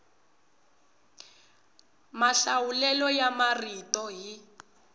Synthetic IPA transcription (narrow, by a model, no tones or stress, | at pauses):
maɬawulɛlɔjamaritɔɦi